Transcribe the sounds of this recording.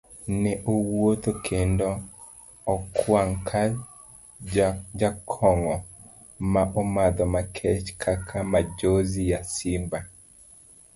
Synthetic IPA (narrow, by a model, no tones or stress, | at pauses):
nɛʔowot̪okʰendo | ɔkwaŋkʰa | d͡ʒakʰɔŋɔ | maʔɔmad̪ɔmakʰɛt͡ʃkʰakʰamad͡ʒozijasimba